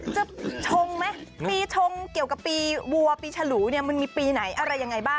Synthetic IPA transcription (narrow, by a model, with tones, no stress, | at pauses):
t͡ɕa˧˩t͡ɕʰo˧ŋma˦˥jppiː˧t͡ɕʰo˧ŋki˨˩əwka˨˩pːiː˧wu˧ɐpiː˧t͡ɕʰa˧luː˩˦ni˥˩ɐma˧nmiː˧piː˧na˩˦jʔa˧ɾa˧jːa˧ŋːa˧jbaː˥˩ŋ